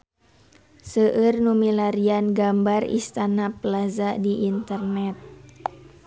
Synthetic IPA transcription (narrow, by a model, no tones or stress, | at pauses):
səʔɨrnumilaɾianɡambarḭst̪anapəlazaʔdiʔːnt̪ərnɛt̪̚